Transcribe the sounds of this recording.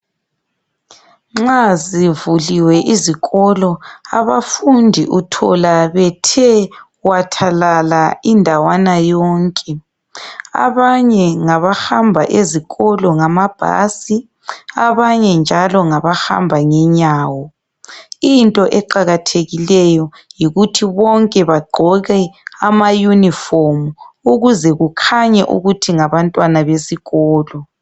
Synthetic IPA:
ŋ͡ǁazivuliwɛʔiziɣɔlɔa̰βafundʱiʔutʰɔ̰laβɛtʰɛ | watʰalalaindʱawanajɔːŋkʼɛ | a̰βaɲɛŋaβaxambʱaʔeziɣɔlɔŋamab̥ʱa̰si | a̰βaɲɛnd͡ʒʱalɔŋaβaxa̰mbʱaŋɛɲaːwɔ | intʼɔʔɛǃaɣatʰeɣilɛjɔ | jiɣutʰiβɔŋkʼɛβaɡ͡ǃʱɔɣɛamajunifomuuɣuzɛɣukʰaɲɛʔṵɣutʰiŋaβantʼwanaβesiɣɔːlɔ

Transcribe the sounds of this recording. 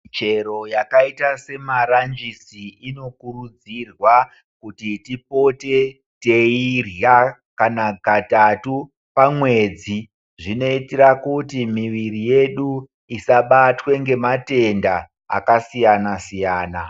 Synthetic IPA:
t͡ʃe̞ɾo̞jakaitase̞maɾand͡ʒisiino̞kurud͡zirwa | kutitipo̞te̞ | te̞irja | kanaɡʱatatu | pamwe̞d͡zi | ʐino̞itirakutimiʋirije̞ɗu | isaɓatwe̞ŋɡe̞mate̞nda̰ː | kasijanasijaːna

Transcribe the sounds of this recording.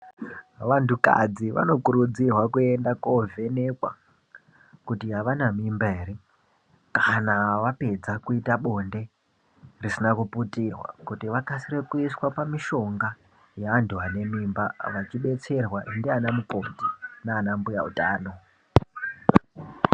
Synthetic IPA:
ʋantuka̰d͡ziʋa̰no̞kuɾud͡zirwakue̞ndakovʱe̞ne̞kwa̰ | kutiɦaʋanamimbaɦe̞ɾe̞ | kanaʋape̞d͡zakuitaɓo̞nde̞ | risinakuputirwa̰kutiʋakasirekuiswapamiʃo̞ŋɡa | jaːnduɦane̞mimbaʋat͡ʃiɓe̞t͡se̞rwaʔindianamukontinaːnambuja̰ṵtaːno̞

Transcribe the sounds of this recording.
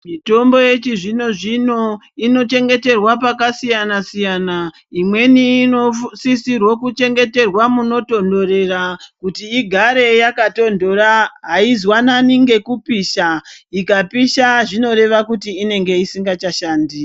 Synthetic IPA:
mito̞mbo̞je̞t͡ʃiʐino̞ʐino̞ | ino̞t͡ʃe̞ŋɡe̞te̞rwapakasijanasijana | imwe̞niːnosisirwokut͡ʃe̞ŋɡe̞te̞rwamuno̞to̞ndo̞re̞rakutiːɡʱaɾe̞jakato̞ndo̞ɾaɦaizwananiŋɡe̞kupiʃaikapiʃaʐino̞ɾe̞ʋakutiːne̞ŋɡe̞isiŋɡat͡ʃaʃaːndi

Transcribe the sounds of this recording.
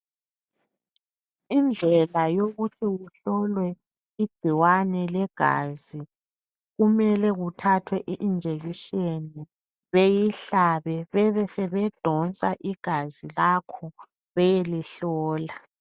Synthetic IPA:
ind͡ɮʱɛlajoɣutʰiɣuɬɔlwɛ | i̥ɡ͡ǀ̥ʱiwanɛlɛɡ̥ʱa̰ːzi | ɣumɛlɛɣutʰatʰwɛʔiʔind͡ʒʱeɣiʃeni | βejiɬaβɛβɛβɛsɛβɛd̥ʱɔnt͡sʼaʔiɡ̥ʱazilakʰɔ | βɛjeliɬɔːla

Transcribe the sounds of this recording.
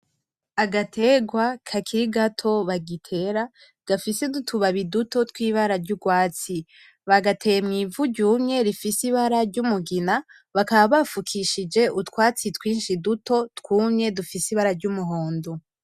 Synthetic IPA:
aɡatʰe̞ɡwakʰakʰiɾiɡatʰo̞βaɡitʰe̞ɾa | ɡ̥afisedutʰuβaβiduto̞tkwiːβaɾaɾɟuɡwaːt͡si | βaɡatʰe̞jemŋiːvuɟɟuːmɲe̞ɾifisiβaɾaɾɟumuɡina | βakaβaβafukʰiʃid͡ʒe̞utwaːt͡sitkwiːnʃiduto̞tkuːmɲe̞dufisiβaɾaɾɟumuɦoːndu

